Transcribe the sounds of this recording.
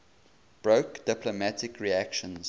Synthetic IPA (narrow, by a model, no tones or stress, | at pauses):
b̥ɹoʊkd̥ɪplomætɪkɹiækʃə̃nz̥